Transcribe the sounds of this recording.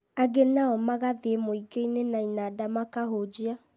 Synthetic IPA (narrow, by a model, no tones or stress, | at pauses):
aɡenaɔmaɣaðemoiɡeinenainadamakaɦod͡ʒia